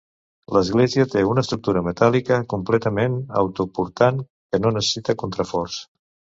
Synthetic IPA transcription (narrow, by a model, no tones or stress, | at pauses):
ləzɣleziət̪eunəːst̪ɾuk̚t̪uɾəmət̪alikəkumplɛt̪əmenə̰wt̪upuɾt̪an | kənonəsə̥sit̪əkunt̪ɾəfɔrs